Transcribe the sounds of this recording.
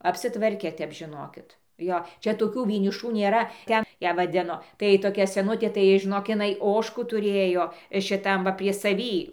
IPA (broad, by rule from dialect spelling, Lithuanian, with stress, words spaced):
ɐpʲsʲɪˈtʋɐrʲkʲɛ ˈtʲɛp ʒʲɪˈnoːkʲɪt ˈjoː ˈt͡ʃʲɛ toːˈkʲuː ʋʲiɛnʲɪˈʃuː nʲeːˈrɐ ˈtʲɛn ˈjæː ʋɐˈdʲɪnoː tɐɪ toːˈkʲɛ sʲɛˈnʊtʲeː tɐɪ ʒʲɪˈnoːk ɪˈnɐɪ ˈoːʃkuː tʊˈrʲeːjoː ʃʲɪˈtɐm ʋɐ pʲrʲiɛ sɐˈʋʲiː